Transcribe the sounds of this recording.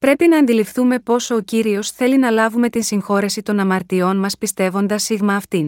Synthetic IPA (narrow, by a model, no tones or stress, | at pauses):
pɾe̞pinɐːnd̪ilifθume̞po̞so̞ːciɾio̞sθe̞linɐlɐvume̞t̪insiŋxo̞ɾe̞sit̪o̞nɐmɐɾt̪io̞nmɐspist̪e̞vo̞nd̪ɐsːiɣmɐːft̪in